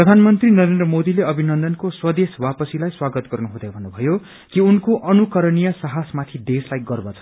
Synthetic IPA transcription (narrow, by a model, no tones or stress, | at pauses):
prʌd̪ʱanmʌnt̪rinʌɾend̪rʌmod̪ileʌbʱinʌnd̪ʌnkoswʌd̪eswapʌsilajswaɡʌt̪ɡʌrnuɦud̪abʱʌnːubʱʌjo | kiunkoʔʌnukʌɾʌnijʌsʌɦasmat̪ʰid̪eslajɡʌrbat͡sʰʌ̥